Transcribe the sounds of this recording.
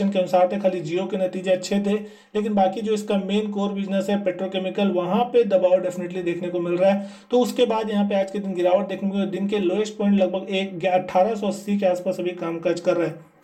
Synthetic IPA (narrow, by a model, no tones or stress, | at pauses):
ənkeɐnʊsaːɾt̪ʰexʰaːlid͡ʒiːokenɐt̪iːd͡ʒeɐtːʃʰet̪ʰe | leːk̬ɪnbaːkid͡ʒoːɪskameːnkoːɾbɪd͡ʒnəsɦɛpeːʈɾokɛːmɪkəlʋɐɦãped̪ɐbaːʋɖɛfɪneʈlid̪eːkʰnekomɪlɾaɦɛ | t̪oʊskebaːd̪jɐɦãp̬eaːd͡ʒked̪ɪnɡɪɾaːʋəʈ̚d̪eːkʰnekoɔd̪ɪnkeloːeʃʈpɔ̃ːɪ̃ɳʈlɐɡ̚bʱəɡeːkɡɐʈʰːaːɾasɔɐsikeaːspaːsɐbʱikaːmkɐɾd͡ʒkɐɾːɐɦɛː